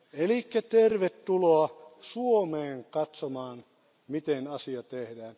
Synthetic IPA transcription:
elikːæt̪erʋet̪ːuloɑsuomeːŋkɑt̪somɑːn | mit̪enɑsiɑt̪ehdæːn

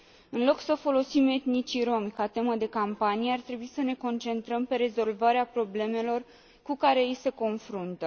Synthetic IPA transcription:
ɨnlo̞ksəfo̞lo̞sime̞t̪nit͡ʃiɾo̞mikat̪e̞məd̪e̞kampanijeart̪ɾebuisəne̞ko̞nt͡ʃe̞nt̪ɾəmpe̞ɾe̞zo̞lvaɾeapɾo̞ble̞me̞lo̞r | kukaɾe̞jijse̞ko̞nfɾunt̪ə

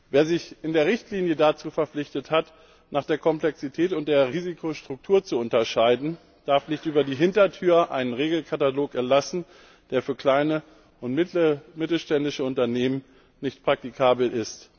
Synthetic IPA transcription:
veːɐzɪçʔɪndeːɐʁɪçtliːnjədat͡suːfɛɐflɪçtəthat | naːχd̥eːɐkʰɔmplɛksitʰɛːtʊnt̚d̥eːɐʁiːzikʰoʃtʁ̥ʊk̚tʰuːɐt͡suʊntɐʃaɪdn̩ | d̥aɐfnɪçtʔyːbɐdiːɦɪntɐtʰyːɐʔa̰ɪnənʁeːɡl̩kʰataloːkɛɐtlasn̩ | d̥eːɐfyːɐkl̥aɪnə | ʔʊntmɪtl̩ʃtɛndɪʃəʊntɐneːmən | nɪçtpʁ̥ak̚tikʰaːbl̩ʔɪst

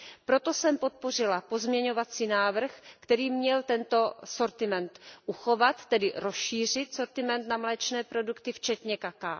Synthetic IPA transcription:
pɾo̞t̪o̞sɛmpo̞t̪̚po̞r̝ɪlapo̞zmɲɛɲo̞vat͡siːnaːvr̩xkt̪ɛɾiːmɲɛlt̪ɛnt̪o̞so̞ɾt̪ɪmɛnt̪ʔuxo̞vat̪ːɛdɪɾo̞sʃiːr̝ɪt̪so̞ɾt̪ɪmɛnt̪namlɛt͡ʃnɛːpɾo̞dukt̪ɪft͡ʃɛt̪ɲɛkaka

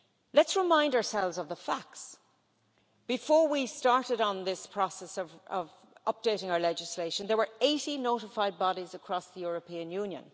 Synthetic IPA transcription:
lətsɹɪmãɪ̃ndəə˞sɛlˠvzʌvðəfæk̚ts | b̥ɨfɔɹwistɑɹɾɨɾn̩ðɪspʰɹ̥ɔsɛsʌvʌv | ʔʌp̚d̥eɪɾɪ̃ŋaʊə˞lɛd͡ʒɨsleɪʃə̃nðə˞wə˞eɪɾinoʊɾəfaɪd̚bɑɾizəkʰɹ̥ɔsðəjʊɹəpʰĩɨ̃njʉ̃njə̰̃n

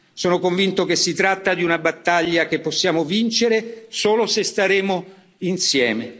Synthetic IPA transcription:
soːnokoɱvint̪ok̟esːit̪ɾat̪ːad̪iunabat̪ːaʎːakepːosːjaːmovint͡ʃeɾesoːlosest̪aɾeːmo | insjɛːme

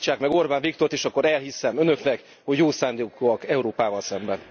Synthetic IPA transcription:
t͡ʃːaːkmɛɡo̞rbaːnvikt̪o̞rt̪eːʃɒkːoɾɛlhisɛmønø̞knɛk | hoɟjoːsaːnd̪eːkoɒkɛuɾoːpaːvɒlsɛmbɛn

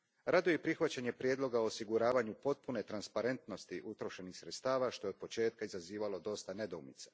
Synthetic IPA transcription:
ɾad̪ujepɾixʋat͡ɕaɲe̞pɾje̞d̪lˠo̞ɡaoːsiɡuɾaːʋaɲupo̞t̪̚pune̞t̪ɾanspaɾe̞nt̪no̞st̪iʔut̪ɾo̞ʃe̞nixsɾet̪st̪aːʋaʃt̪o̞jo̞d̪po̞t͡ʃe̞ːt̪̚kaizaziːʋalo̞d̪o̞st̪ane̞d̪oumit̪sḁ

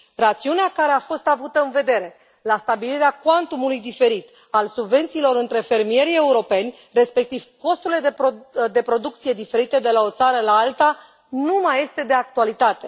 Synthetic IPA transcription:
rat̪siuneakaɾe̞afo̞st̪avut̪əɨnve̞d̪e̞ɾe̞ | last̪abiliɾeakwant̪umulujd̪ife̞ɾit̪ | alsubve̞nt̪siːlo̞ɾɨnt̪ɾe̞fe̞rmije̞ɾie̞uɾo̞pe̞nʲ | re̞spe̞k̚t̪iv̥ko̞st̪uɾile̞d̪ed̪e̞pɾo̞d̪ukt̪sije̞d̪ife̞ɾit̪e̞d̪e̞lao̞t̪saɾəlaalt̪a | numaje̞st̪e̞d̪e̞ak̚t̪ualit̪at̪e̞

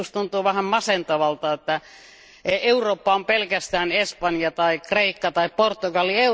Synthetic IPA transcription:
ust̪unt̪uːʋæhæmmɑsent̪ɑʋɑlt̪ɑet̪ːæ | eeuroːpːɑompelkæst̪æːnespɑnjɑt̪ɑikreikːɑt̪ɑipport̪ːuɡɑlːie

